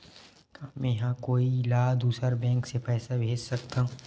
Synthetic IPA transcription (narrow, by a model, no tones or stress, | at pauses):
kaːmɛ̃jɐɦãkoːilaːd̪uːsəɾbɛ̃ːŋksepʰɛːsabʱeːd͡ʒsɐkt̪aɦũ